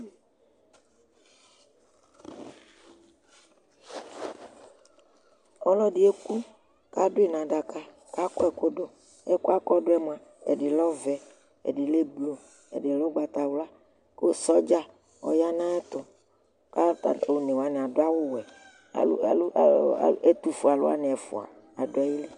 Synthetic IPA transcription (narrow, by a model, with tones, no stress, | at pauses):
ɔ˦lɔ˦dɪ˨˦e˦ku˦ | ka˦dʊ˦e˦˨nã˨ɖa˨ka˦ | ka˦kɔ˦ɛ˨ko˦do˦ | ɛ˦ku˦a˦kɔ˦dʊ˦ɛ˦m˦˨ã˨ | ḛ˨dɪ˨lɔ˦vɛ˨ | ḛ˨ɖɪ˨le˦blo˨ | ḛ˨dɪ˨lɔ˦ɡ͡ba˨t̪a˨wla˦ | ko˦sɔ˦d͡ʒa˦ | ɔ̰˨ja˦nã˦ɛ˦t̪ʊ˨ | ka̰˦˨o˨nẽ˨wa˨nẽ˨a˨do˦a˦wʊ˦wɛ̰˨˦˨ | e˦t̪u˦fu˨a˨lo̰˦a̰˦nɪ˨ɛ˨fʊ̰˨a̰˨ | a̰˨do˦a˨ji˦li˦